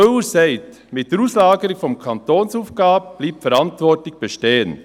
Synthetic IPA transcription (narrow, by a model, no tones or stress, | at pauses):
øəsɛɪt | mɪtd̥eɾuːslaːɡəɾɪkfɔmkʰɑntoːnsuːfɡ̥aːbəb̥liːpfɛɾɑntvɔɾtlɪçb̥eʃteːən